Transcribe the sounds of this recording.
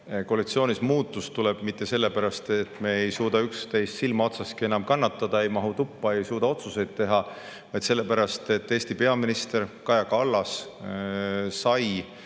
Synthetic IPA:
ko̞ːlit̪sio̞ːnismuːt̪ːˑust̪uleb̥mit̪ˑːe̞se̞lːepæɾɑst̪et̪ːˑme̞ejsuːd̪ɑykst̪e̞jst̪silmɑo̞t̪sɑskie̞nɑmkɑnːɑt̪ːɑd̪̥ɑe̞jmɑɦut̪upːɑe̞jsuːd̪̥ɑo̞t̪suse̞jd̪̥̚t̪e̞ɦɑ | vɑjd̪se̞lːe̞pæɾɑst̪e̞t̪ːe̞ːst̪ipe̞ɑminist̪e̞ɾkɑjɑkɑlːɑs | sɑj

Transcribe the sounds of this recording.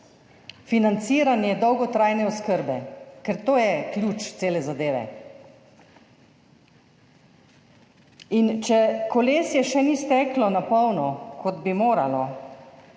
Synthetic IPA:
finant̪siːɾanjɛd̪ɔwɡɔt̪ɾaːjnɛɔskəɾbɛkɛɾt̪oːjɛklʲjuːt͡ʃt̪seːlɛzad̪eːʋɛ̰ | int͡ʃɛkɔleːsjɛʃɛnist̪ɛːklɔnapɔwnɔkɔd̪bimoːɾa̰lɔ

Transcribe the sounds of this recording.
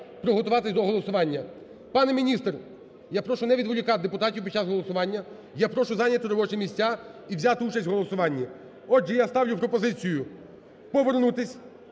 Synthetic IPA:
pɾɔɦɔt̪ʊʋɑt̪ɪsʲd̪ɔɦɔlˠɔsʊʋɑnʲːɐ | pɑnɛmʲinʲist̪r | japɾɔʃʊnɛʋʲid̪ʋʊlʲʊkɑd̪epʊt̪ɑtʲiwpʲid̪̚t͡ʃazɦɔlˠɔsʊʋɑnʲːɐ | japɾɔʃʊzɑnʲɐt̪ɪɾɔbɔt͡ʃɛmʲisʲtʲaiwzʲat̪ɪut͡ʃɐsʲtʲwɦɔlˠɔsʊʋɑnʲːi | ɔʒɛjast̪ɑwlʲʊpɾɔpɔzɪt͡sʲijʊ | pɔʋernut̪ɪsʲ

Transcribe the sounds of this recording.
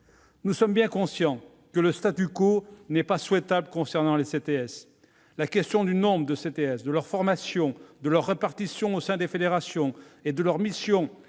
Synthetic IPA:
nusɔmbjɛ̃kɔ̃sjɑ̃ | kələst̪at̪ykonɛpaswɛt̪abləkɔ̃sɛʁnɑ̃leset̪eɛs | lakʲɛst̪jɔ̃d̪ynɔ̃bʁəd̪əset̪eɛsd̪əlœʁfɔʁmasjɔ̃d̪əlœʁːepaʁt̪isjɔ̃osɛ̃d̪efed̪eʁasjɔ̃ed̪əlœʁmisjɔ̃

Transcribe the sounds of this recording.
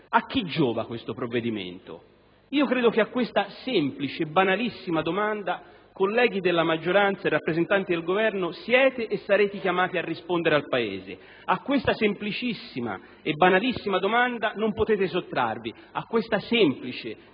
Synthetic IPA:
ak̟ːid͡ʒːɔːva̰kwest̪opɾovːed̪imḛnt̪o̰ | iːokɾeːd̪ok̟eakːwest̪asɛmplit͡ʃeːbːanalisːimad̪omand̪a | kolːɛːɡ̟id̪elːamad͡ʒːoɾant̪saerːapːɾezent̪ant̪id̪elɡovɛrnoʊsjɛːt̪eʔːsːaɾeːt̪ikjamaːt̪iarːispond̪eɾealpaḛːzḛ | akːwest̪asemplit͡ʃisːima̰ | ebːanalisːimad̪omand̪anompot̪ɛːt̪esot̪ːɾa̰rvi | akːwest̪asɛmplit͡ʃe

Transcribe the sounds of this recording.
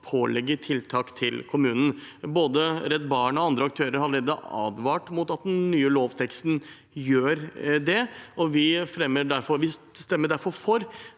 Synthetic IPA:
pʰoːlɛɡːət̪ʰɪlt̪ʰɑːkt̪ʰɪlkʰʊmʉːnən̩boːd̪əɾɛt̪ːbɑːɳɔɑnd̪ɾəɑk̚t̪ʰøːɾəɾhɑlɾeːd̪əɑ̰ːd̪ʋɑːʈmʊt̪ɑt̪̚d̪ɛnnyːəloːʋt̪ʰɛkst̪n̩ | jøːɾd̪ɛɔʋɪfɾɛmːəɖæɾfɔɾʋɪ | st̪ɛmːəɖæɾfɔɾfɔɾ

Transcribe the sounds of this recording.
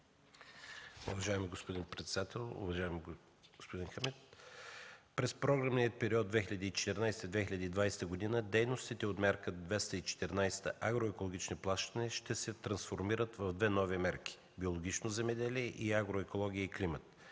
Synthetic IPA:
ʊ̰vɐʒaɛmiɡospod̪inpɾɛt̪sɛd̪at̪ɛlˠʊ̰vɐʒaɛmi | ɡospod̪inxəmɛt̪̚ | pɾɛspɾɔɡɾəmniət̪̚pɛɾiɔd̪̚d̪vɛxʲiʎʲɐd̪iːt͡ʃɛ̥t̪ɛɾnajst̪əd̪vɛxilʲɐd̪iːd̪vajsɛ̥t̪əɡod̪inəd̪ɛjnost̪it̪ɛot̪mɛɾkəd̪vɛst̪əit͡ʃɛ̥t̪ɛɾnajst̪əʔaɡɾoɛkolˠoɡ̟ʲit͡ʃniplˠaʃt̪ənɛʃt̪ɛsɛt̪ɾɐnsfoɾmiɾət̪vɐvd̪vɛnɔvimɛɾkʲi̥ | biolˠoɡ̟ʲit͡ʃnozɛmɛd̪ɛliɛʔiaɡɾoɛkolˠɔɡʲiəiklimət̪

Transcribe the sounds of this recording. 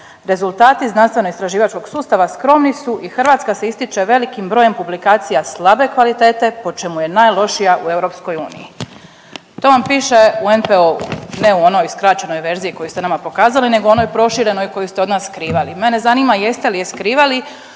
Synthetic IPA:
ɾe̞zulˠt̪aːt̪iznanst̪ʋe̞noist̪ɾaʒiːʋat͡ʃko̞ɡ̥suːst̪aʋaskɾo̞mnisuʔixrʋaːt̪skaseist̪it͡ʃe̞ʋe̞likimbɾoje̞mpublikaːt̪sijaslˠabe̞kʋalit̪e̞ːt̪e̞po̞t͡ʃe̞muje̞najlˠo̞ʃijaʔue̞vɾo̞psko̞jṵːnḭji | t̪o̞ːʋampiːʃe̞uenpeoṵneuo̞no̞jskɾat͡ʃe̞no̞jʋe̞ɾzijiko̞just̪enamapo̞kaːzaline̞ɡoo̞no̞jpɾo̞ʃiɾeno̞jko̞just̪eo̞d̪naːsːkɾiːʋalimene̞zaniːmaje̞st̪elijeskɾiːʋali

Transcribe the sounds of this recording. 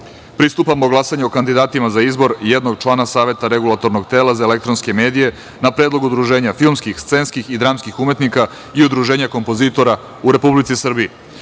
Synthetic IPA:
pɾist̪upamoɡlˠasaɲeokand̪id̪aːt̪imazaizbo̞ɾjed̪no̞ɡt͡ʃlˠaːnasaːʋe̞t̪aɾeɡulˠat̪o̞ɾno̞ɡt̪e̞ːlˠazaele̞kt̪ɾonske̞me̞ːd̪ije̞ | napɾeːd̪lˠo̞ɡud̪ɾuʒe̞ːɲafilmskixst̪se̞ːnskixid̪ɾaːmskixume̞t̪nika | iud̪ɾuʒeːɲako̞mpo̞zit̪o̞ɾa | uɾe̞publit̪sisr̩bie

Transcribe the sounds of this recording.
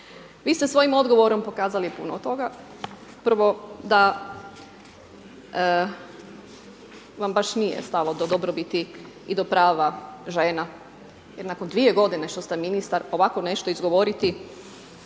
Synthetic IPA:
ʋiːst̪esʋo̞jimo̞d̪ɡo̞ʋo̞ɾo̞mpo̞kaːzalipunot̪ːo̞ɡa | pəɾʋo̞d̪a | ʋambaʃnijḛst̪alod̪od̪obɾobit̪i | id̪o̞pɾaːʋaʒe̞ːna | jeɾnako̞nd̪ʋie̞ɡo̞d̪ine̞ʃt̪o̞st̪eminist̪aɾo̞ʋako̞ne̞ʃt̪o̞izɡo̞ʋo̞ɾit̪i

